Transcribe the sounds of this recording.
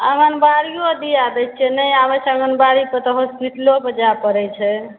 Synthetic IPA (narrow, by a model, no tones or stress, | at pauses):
əŋənbaɾijod̪iad̪ət͡ʃ̚t͡ʃʰɛnəjabət͡ʃʰəŋənbaɾipət̪ɔɦospiʈlobəd͡ʒapəɾɛt͡ʃʰɛ